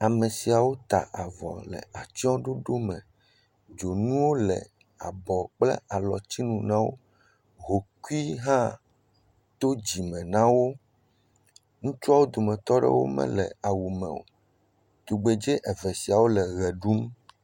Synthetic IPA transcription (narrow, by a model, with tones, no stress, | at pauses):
a˨mẽ˨si˨a˨wo˦t̪a̰˨ʔa˨vɔ̰˨lɛ̰˨a˨t͡ʃɔ̃˦ɖo˦ɖo˦mɛ̃˨ | d͡ʒo˨nũ˦wo˦lɛ̰˨ | a̰˨bɔ˨k͡plɛ̰˦a˨lɔ˨t͡ɕi˦nũ˨nã˦wo̰˦ | ɦo˨ku˦i˦ɦã˦ | t̪o˦d͡ʑi˨mɛ̃˨nã˦wo˦ | ŋũ˦t͡ʃu˦a˦wo˦d̪o˨mɛ̃˨t̪ɔ˦ɖɛ̰˦wo̰˦mɛ̰̃˦lɛ̰˨a˨wu˨mɛ̰˨wo̰˨ | t̪o˨ɡ͡be˨d͡ʒɛ˦ʔɛ˨vɛ˨si˨a˨wo˦lɛ˨ɣɛ˨ɖu˦m